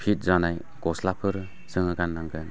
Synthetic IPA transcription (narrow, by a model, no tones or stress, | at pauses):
pʰit̚zanaj | kɔslapʰɯɾɯ | sɯŋɯɡanːaŋɡɯn